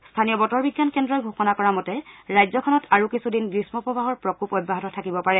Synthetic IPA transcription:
stʰanijɔbɔtɔɹbiɡjankɛndɹɔjɡʱoxɔnakɔɹamɔtɛɹajzɔkʰɔnɔtʰaɹukisudinɡɹismɔpɹɔbaɦɔɹpɹɔkupɔbːaɦɔtɔtʰakibɔpaɹɛ

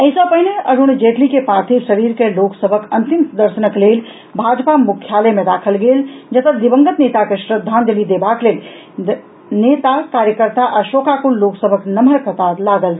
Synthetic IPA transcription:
əisəbpːəɦineəɾʱond͡ʒeʈlikepɾat̪ʰisəɾiɾkeloksəbʱəkənt̪impəd̪əɾsənəklel | bʱad͡ʒpamukʰjaləmẽd̪akʰəlɡeld͡ʒət̪əd̪ibə̃ŋɡət̪net̪akeʃɾəd̪ʱːand̪elid̪ebaklel | net̪akaɾjəkəɾt̪aʔaʃokakulloksəbʱəknəməɾkət̪alaɡəl

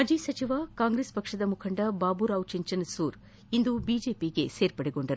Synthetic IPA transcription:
mɐd͡ʒisɐt͡ʃiʋakaːŋɡɾeːspɐkʂɐd̪ɐmukʰɐɳɖɐbaːbuɾaːwt͡ʃiɲt͡ʃɐnsuːɾ | ind̪ubiːd͡ʒe̞ːpiɡe̞seːɾpɐɽeɡo̞ɳɖɐɾu

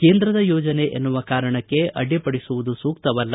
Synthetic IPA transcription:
keːnd̪ɾɐd̪ɐjɔːd͡ʒɐne̞ʔḛnːuʋɐkaːɾɐɳɐkːe̞ʔɐ̰ɖipɐɽisuʋud̪usuːk̚t̪ɐʋɐlːɐ

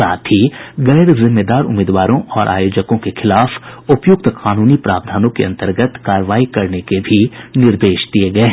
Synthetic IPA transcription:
a̰ːt̪ʰɦiɣɛːɾzɪmːed̪aːɾʊ̰meːd̪ʋaːɾõʔɔːɾʔa̰ːjoːd͡ʒəkõkexɪlaːfʊpjʊk̚t̪qʰaːnuːnipɾa̰ːbd̪ʱaːnõkḛɐ̃nt̪əɾɡət̪kaːɾəʋaːikɐɾnekebʱinɪɾd̪eːʃd̪ieɡɐeɦ

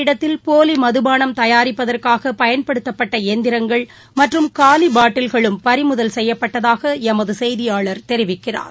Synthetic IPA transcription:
ɪɽɐt̪ːɪlpoːlimɐðɯbaːnɐmt̪ɐjaːɾɪpːɐðɐrkaːɣɐpɐjɐnpɐɽɯt̪ːɐpːɐʈːɐeːnd̪ɪɾɐŋɡɐɭ | mɐʈrɯmkaːlibaːʈːɪlɣɐɭɯmpɐɾɪmɯðɐlsɛjːɐpːɐʈːɐðaːɣɐɛmɐðɯsɛjðɪjaːɭɐɾt̪ɛɾɪʋɪkːɪra̰ːɾ

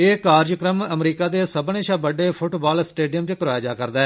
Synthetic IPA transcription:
eːkaːɾd͡ʒkɾəməmɾiːkaːd̪eːsəbneːʃaːbəɖeːpʰʊʈbaːlsʈeːɖijəmt͡ʃkɾaːjaːd͡ʒaːkəɾd̪aːɛ

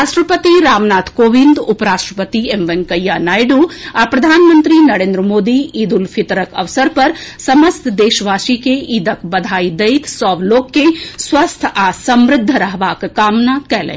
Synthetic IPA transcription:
ɾaːʂʈɾəpət̪iɾaːmnaːt̪ʰkoːʋind̪ʊpɾaːʃʈɾəpət̪iemʋənkəjːanaːjɖuapɾɐd̪ʱaːnmənt̪ɾinɐɾẽːnd̪ɾəmoːd̪iiːd̪ulpʰɪt̪ɾəkɐ̰ʋsəɾpɐɾsɐməst̪ʰd̪eːʃʋaːʃikeʔid̪əkbɐd̪ʱaːid̪ɐit̪ʰsɔːʋloːkːesʋɐst̪ʰaːsɐmɾɪd̪ʱːəɾəɦʋaːkkaːmnakɛlḛː

